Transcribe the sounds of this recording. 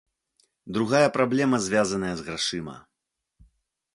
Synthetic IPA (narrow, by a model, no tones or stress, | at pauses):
d̪ɾuɣajɐpɾablʲɛmɐzʲvʲazɐnɐjɐzɣɾaʂɨmɐ̰